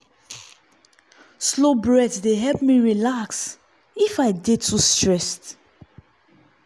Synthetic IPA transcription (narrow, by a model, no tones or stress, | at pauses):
slobɹɛdsdeɦɛlp̚miɹilaks | ifaɪdetʰustɹɛst